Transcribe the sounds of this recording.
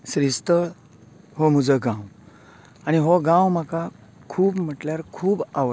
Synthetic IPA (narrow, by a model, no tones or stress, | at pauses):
sɾist̪əɭ | hom̤ud͡zəɡãw | aɽ̃ñiɦoɡãwm̤aka | kʰuːbm̤əʈljaɾkʰuːba